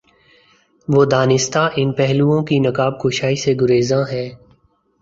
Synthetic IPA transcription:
ʋoːd̪aːnɪst̪aʔɪnpɛɦluõkinɐkaːb̚koːʃaːiseɡʊɾeːzãːɦɛː

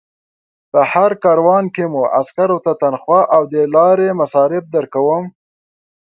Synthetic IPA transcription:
pəhaɾkɑɾwɑnkemuʔa̰skaɾot̪at̪anxwɑʔawd̪əlɑɾemasɑɾɪb̚d̪əɾkawəm

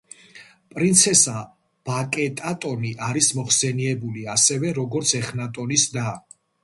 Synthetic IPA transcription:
pʼɾint̪sʰɛsa | b̥akʼɛt̪ʼat̪ʼɔniʔaɾismɔχsɛniɛbuliasɛvɛɾɔɡɔɾt̪sʰɛχnat̪ʼɔnisd̪a

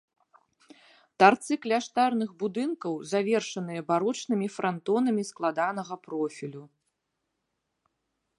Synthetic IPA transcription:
t̪art̪sɨklʲaʂt̪arnɨɣbud̪ɨnkɐwzavʲɛrʂɐnɨjɐbaɾɔt͡ʂnɨmʲifɾʔant̪ɔnɐmʲisklˠad̪anɐɣɐpɾɔfʲilʲu

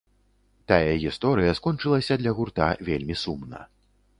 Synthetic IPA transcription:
t̪ajɐɣʲist̪ɔɾɨjɐskɔnt͡ʂɨlˠɐsʲɐd̪lʲɐɣurt̪a̰vʲelʲmʲisumnɐ̰

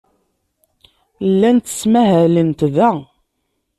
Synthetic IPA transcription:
lːænt̪ːə̥smæɦælənt̪ðæ

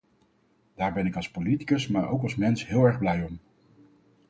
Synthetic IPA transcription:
d̥aːɹbɛnɪkɑlˠspoliti̥kəsmaːɹʔo̰wkɑsmɛnsɦɪːlˠɛɹχblɛjɔm

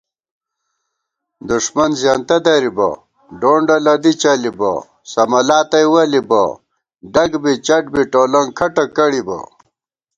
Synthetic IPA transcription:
d̪uʂmɐnzjaːnt̪ɐd̪ɐɾibɐ̰ | ɖoːɳɖɐlɐd̪it͡ɕɐlibɐ̰ | sɐmɐlaːt̪ɐjwɐlibɐ̰ | ɖɐɡbit͡ɕɐʈ̚biʈoːlɐŋkʰɐʈɐkɐɽibɐ̰

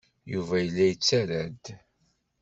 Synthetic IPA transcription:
juvæjəlːæjət͡sːæɾæd̪

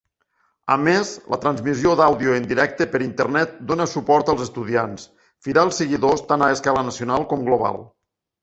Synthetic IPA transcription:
ə̰mezlə̰t̪ɾanzmiziod̪awðiuənd̪iɾɛk̚t̪əpəɾint̪əɾnɛt̪̚d̪onəsupɔɾt̪əlˠzəst̪uð̞ians | fiɾaːlˠsəɣiðost̪anaəskalənəsiunalˠkɔmɡloβa̰lˠ

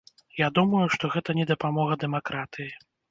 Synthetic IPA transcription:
jad̪umɐjuʂt̪ɔɣɛt̪ɐnʲɛd̪ɐpamɔɣɐd̪ɛmakɾat̪ɨji

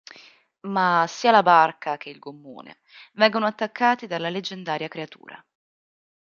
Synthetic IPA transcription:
masːiːalabarkʰak̟eilɡomːo̰ːnḛ | vɛŋɡonoat̪ːakːaːt̪id̪alːaled͡ʒːend̪aːɾjakɾeat̪ṵːɾa̰

